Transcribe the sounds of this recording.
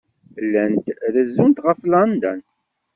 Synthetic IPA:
lːænt̪ðəzːunt̪ʁəflɑnd̪æn

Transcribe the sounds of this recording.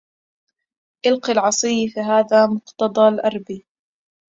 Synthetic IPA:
ʔɪlqiːlʕɑsˤiːfiːɦaːðaːmʊqt̪ɑd̪ˤɑːlʔɑɾˤbiː

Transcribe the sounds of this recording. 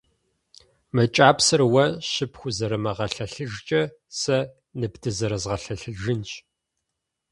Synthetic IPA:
mɐt͡ʃʼaːpsɐrwɐɕɪpʰxʷʊzɐɾɐmɐʁɐɬɐɬɨʒt͡ʃʼɐ | sɐ | nɨbdɨzɐɾɐzʁɐɬɐɬɨʒɨnt͡ʃʼ

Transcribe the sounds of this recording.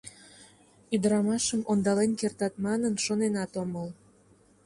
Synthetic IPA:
yd̪əɾɑmɑʃəmʔond̪ɑlenkert̪ɑt̪mɑnənʃonenɑt̪oməl

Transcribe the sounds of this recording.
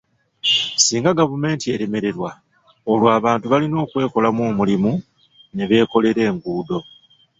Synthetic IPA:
siːŋɡaɡavume̞ːntie̞ɾe̞me̞ɾe̞ɾwa | olwaːβaːntuβalino̞ːkwe̞ːko̞lamwoːmulimu | neβe̞ːko̞le̞ɾe̞ːŋɡuːdo̞

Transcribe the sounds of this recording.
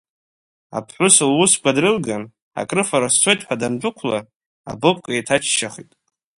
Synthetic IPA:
a̰pʰħʷʊsɨlwʊsɡʷʰadrɨlɡan | a̰kʼrɨfaɾast͡sʷʰo̞jtʼħʷᶣadand͡ʒʷʼʊkʷʰla | a̰bopʼkʼaitʰat͡ʃʰʃaχitʼ

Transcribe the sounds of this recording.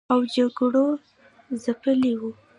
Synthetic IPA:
awd͡ʒaɡɽo | zapəliwu

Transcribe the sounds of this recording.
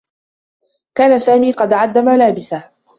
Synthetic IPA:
kaːnasaːmiːqɑd̪ʕad̪ːamalaːbɪsa

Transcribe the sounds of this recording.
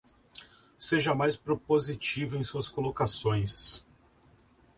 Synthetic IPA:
seʒɐmajspɾopozit͡ʃivʊẽj̃suɐskolokasõj̃s

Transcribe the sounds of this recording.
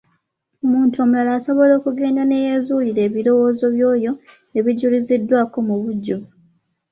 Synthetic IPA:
omuːntuomulalaːso̞βo̞lo̞ːkuɡe̞ːndane̞jezuliɾe̞ːβiɾo̞wo̞ːzo̞βjo̞ːjo̞ | e̞βiɟulizidːwaːko̞muβuɟːu

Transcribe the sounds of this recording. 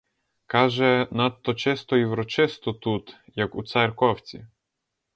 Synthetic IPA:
kaʒɛnat̪ːɔt͡ʃɛst̪ɔiwɾɔt͡ʃɪst̪ɔt̪ut̪jakut̪saɾkɔwt͡sʲḭ

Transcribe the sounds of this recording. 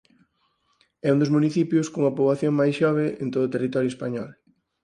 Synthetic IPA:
ɛund̪ʊzmuniθipjʊskouŋɐpoβaθjoŋmajsʃɔβ̞eent̪oðʊːt̪erit̪ɔɾjoespaɲɔl

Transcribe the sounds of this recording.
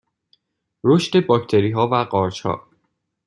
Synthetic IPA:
ɾoʃt̪e̞bɒcʰt̪ʰe̞ɾiːɦɒːvæɢɒːɾt͡ʃhɒ̰ː

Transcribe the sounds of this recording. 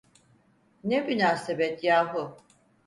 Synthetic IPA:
nebynaːsebɛt̪jaːɦu

